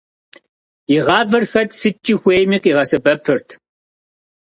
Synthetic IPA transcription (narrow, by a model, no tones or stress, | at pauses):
iʁɑːvɨrxɐtsɨt͡ʃʼixʷeːjmiːqiːʁɐsɨbɐpʰɨrtʰ